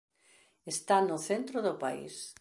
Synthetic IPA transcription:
est̪anʊθent̪ɾʊðʊpaḭs

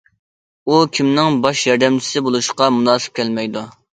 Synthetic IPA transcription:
ukʲʰimnɪŋbɑʃjɑɾd̪ɛmt͡ʃʰi̥sɪbolˠuʃqɑmunɑːsɨ̥p̚kʲʰɛlmɛjd̪u

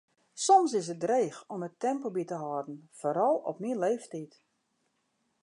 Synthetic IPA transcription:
sɔmsɪsət̚dreːxɔmətɛmpobitəɦɔdn̩foɾɔlˠɔ̰pminleːftit

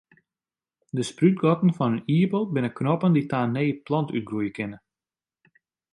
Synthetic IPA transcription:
dəspryt̚ɡɔtən̩fɔnəniəbɔlˠt̚bɪnəknɔpənditaːneːplɑntyt̚ɡrujəkɪnə

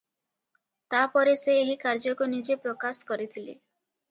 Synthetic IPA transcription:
t̪apɔɾeseːɦikaɾd͡ʒɔkunid͡ʒepɾokaskɔɾit̪ʰilḛ

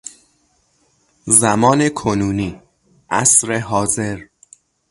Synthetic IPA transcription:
zæmɒːnekʰonuːniː | ʔæsɾeɦɒːze̞ɾ

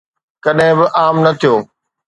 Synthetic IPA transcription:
kɐɗɦɪ̃bɪʔaːmnɐt̪ʰijoː

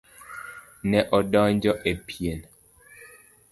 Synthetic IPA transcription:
nɛʔɔdɔnd͡ʒɔʔepʰjen

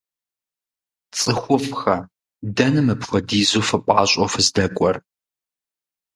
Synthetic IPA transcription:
t͡sʼɨxʷʊfxɐ | dɐnɨmɨpxʷɔdiːzuːfɨpʷʼɑːɕʷʼɔfɨzdɐkʷʼɔr

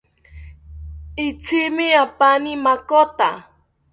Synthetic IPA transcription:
ɪt͡sʰɪmɪapanimakot̪a̰

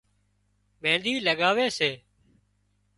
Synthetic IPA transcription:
mẽːnd̪iːləɠaːʋeːseː

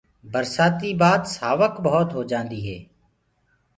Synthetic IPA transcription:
bəɾsaːt̪iːbaːd̪saːʋəkbəɦʊt̪ɦoːd͡ʒãːnd̪iːɦeː

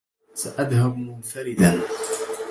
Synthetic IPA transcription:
saʔaðhabmʊnfaɾɪd̪an

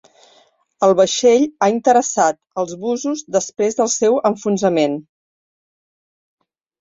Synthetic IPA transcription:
əlˠβəʃeʎaint̪əɾəsat̪̚əlˠzβuzuzd̪əspɾezðəlˠsɛwəɱfunzəmen

